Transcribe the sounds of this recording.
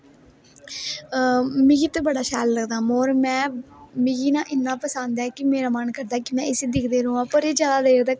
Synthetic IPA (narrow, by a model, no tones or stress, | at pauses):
mɪɡiːt̪ebəɽaːʃɛːlləɡd̪aːmoːɾmɛ̃ːmɪɡiːnãːʔɪnːãːpəsãːnd̪ɛːkɪmeːɾaːmənkəɾd̪aːkɪmɛ̃ːʔɪseːd̪ɪkʰd̪eːɾõːãːpəɾeːd͡ʒjaːd̪aːd̪eːɾd̪aː